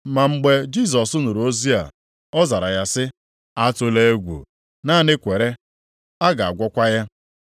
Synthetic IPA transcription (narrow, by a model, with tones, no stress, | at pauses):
ma˨ŋ͡m̩˨ɡ͡be˨d͡ʒi˦˨s̬ɔ˨sʊ˦nu˨ɾu˨o˦zi˦a̰˨ | ɔ˦za˨ɾa˨ja˦sɪ˦ | a˦tʊ˦le˦e˦ɡʷṵ˨ | na˦nɪ˦kʷe˨ɾe˦ | a˦ɡa˨a̰˨ɡʷɔ˦kʷa˦ja˦